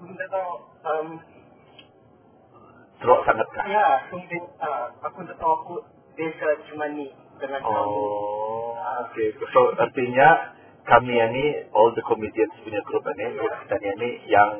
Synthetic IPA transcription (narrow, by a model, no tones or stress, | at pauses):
kunt̪at̪a | əm | səɾɔʔsaŋat̪̚ka̰jasumtɪŋaakʊnd̪ət̪awaku | besət͡ʃumani | dəŋãnɔa | okesoərt̪iɲa | kamianiʔɔld̪əkʰɔmidiənspuɲaɡɾupaniɛit̪anianijaŋ